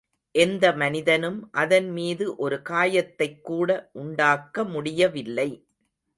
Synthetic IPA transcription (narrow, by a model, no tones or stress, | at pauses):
ʔɛnd̪ɐmɐnɪðɐnɯmʔɐðɐnmiːðɯʔɔɾɯkaːjɐt̪ːɐɪkːuːɽɐʔʊɳɖaːkːɐmʊɽɪjɐʋɪlːɐɪ